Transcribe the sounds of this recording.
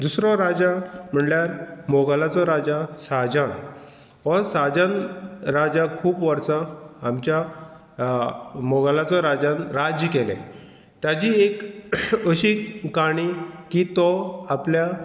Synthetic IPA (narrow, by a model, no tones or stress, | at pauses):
d̪usɾɔɾad͡ʑam̤əɳljaɾmɔɡalat͡sɔɾad͡ʑasad͡ʑãn | ɔɾsad͡ʑãnɾad͡ʑakʰuːpʋəɾsãːmt͡ɕja | mɔɡalat͡sɔɾad͡ʑãnɾad͡ʑjkelḛ̃ | t̪jad͡ʑiekəɕikaɽ̃ikit̪ɔaplja